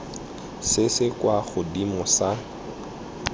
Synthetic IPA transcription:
sɪsɪkʼwaχʊdimʊsa

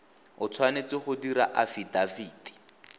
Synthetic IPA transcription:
ʊt͡sʰwanet͡sɪχʊdiɾaʔafidafiːdi̥

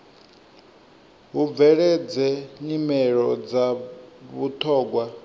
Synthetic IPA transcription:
ɦub̪vɛɺɛd͡zɛɲimɛɺɔd͡zaβutʰɔːɡwa

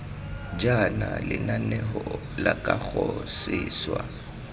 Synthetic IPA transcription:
d͡ʒanalɪnanɛɦɔ | lakʼak͡xʰɔsɪːswa

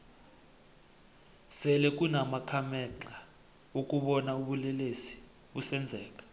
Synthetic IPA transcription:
sɛlɛk̬ʼunamakʰamɛǁa | ok̬ʼuɓɔnauɓulɛlesi̥ | ɓusɛnd͡zʱɛːk̬ʼḁ

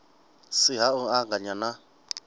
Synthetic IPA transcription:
siɦauaŋɡaɲana

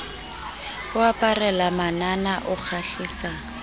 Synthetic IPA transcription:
ʊapʼarɛlamananaʔʊk͡xʰaɬiːsaː

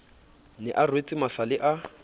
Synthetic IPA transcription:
nɛʔarwet͡sʼɪmasalɪʔa

